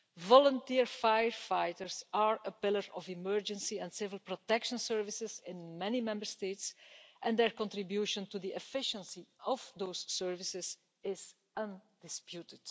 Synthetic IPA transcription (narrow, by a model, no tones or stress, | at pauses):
vɔlə̃ntiɹfajəɹfajtəɹsaɹəpɪləɹɔvɪmɜɹd͡ʒə̃nsiɛ̃ntsɪvɪlˠpɹɔtɛkʃə̃nsɜɹvɪsɪzɪ̃nmɛnimɛ̃mbəɹsteɪtsʔɛ̃nd̪ɛɹkɔ̃ntɹɪbjuːʃə̃ntud̪iʔɛfɪʃə̃nsiɔvd̪oʊsːɜɹvɪsɪz | ɪz | ʌ̃ndɪspjutɪd̥